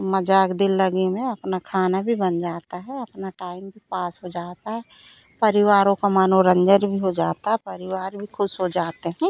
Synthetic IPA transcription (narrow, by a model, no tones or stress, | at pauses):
məd͡ʒaːkd̪ɪlːəɡemẽɐpnakʰaːnabʱibənd͡ʒaːt̪aɦɛɐpnaʈaːɪmbʱipaːsɦod͡ʒaːt̪aɦɛ | pɐɾɪwaːɾõkamaːnoɾə̃ɲd͡ʒəɾbʱiɦod͡ʒaːt̪aɦɛpɐɾɪwaːɾbʱikʰʊʃɦod͡ʒaːt̪eɦɛ̃ː